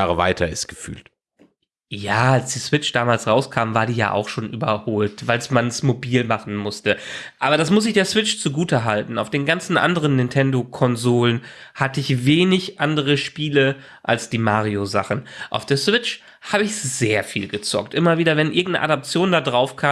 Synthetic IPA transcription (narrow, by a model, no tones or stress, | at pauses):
aːʁəva̰ɪtʰɐɪstɡ̥ə̥fy̰ːlt | jaːalsd̥iːsv̥ɪt͡ʃd̥aːmaːlsʁaʊskʰaːmvaːɐdiːja̰ːʔa̰ʊxʃoːnʔy̰ːbɐ̰hoːltv̥aɪlsmansmobiːlmaχn̩mʊstəʔaːbɐɾasmʊs̬ɪçd̥eːɐsw̥ɪt͡ʃt͡suɡuːtəɦaltn̩aʊfd̥eːnɡant͡sn̩ʔa̰ndəʁ̞ənːɪntʰɛndokʰɔnzoːlənhatəɪçveːnɪçʔandəʁ̞əʃpiːlə | ʔa̰lsd̥iːmaːʁiozaχn̩ʔa̰ʊfd̥eːɐsv̥ɪt͡ʃ | haːbəɪçz̥eːɐfḭːlɡət͡sɔ̰ktʔɪmɐviːdɐvɛnʔɪɐɡŋ̩tnə̰ʔa̰dap̚t͡sjoːndadʁaʊfkʰaː